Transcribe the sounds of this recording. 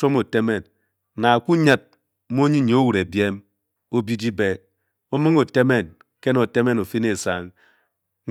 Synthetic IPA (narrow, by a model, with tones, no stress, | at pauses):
o˦mo˨te˦me˨n | na˨ku˦ɲa˦t̩̚˦ | mo˦ɲi˦˨ɲ˨o˦wu˨ɾe˨bje˦m | o˦bi˦di˦be˨ | o˦me˦ŋo˨te˦me˦˨n | ke˦no˨te˦me˦no˨fi˦ne˨sa˨ŋ̩˦